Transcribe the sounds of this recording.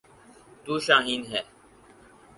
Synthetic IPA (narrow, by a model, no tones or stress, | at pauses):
t̪uːʃaːɦiːnɦɛː